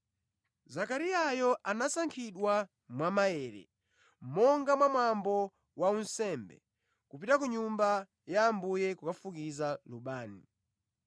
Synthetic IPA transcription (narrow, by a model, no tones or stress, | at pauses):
zakaɾiajɔʔanasaŋkʰiɗwa | mwamajɛːɾɛ̰ | mɔŋɡamwamwambɔ | waunsɛmbɛ̰ | kupitakuɲumba | jaːmbujɛkukafukizaluɓaːni